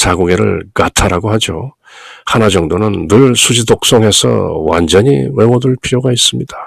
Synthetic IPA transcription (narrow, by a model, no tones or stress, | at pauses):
t͡ɕaɡoɡe̞ɾɯ̰ɭkatʰaɾaɡohad͡ʑo | hanad͡ʑʌŋdonɯnːɯɾɯɭsʰud͡ʑidok̚s͈ʌŋɦe̞sʰʌ̰wa̰nd͡ʑʌɲiwe̞wʌduɭpʰiɾjoɡais͈ɯmɲid̥ḁ